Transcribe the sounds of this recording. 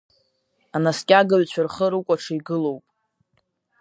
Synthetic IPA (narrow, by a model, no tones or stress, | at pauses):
anaskʲʼaɡɨɥt͡ɕʷʰarχəɾukʷʼaʈ͡ʂʰaiɡɨlo̞wpʼ